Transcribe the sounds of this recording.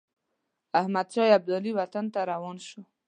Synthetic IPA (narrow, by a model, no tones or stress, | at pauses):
ahmad̪ʃɑjab̚d̪ɔliwat̪ant̪aɾawɑnʃo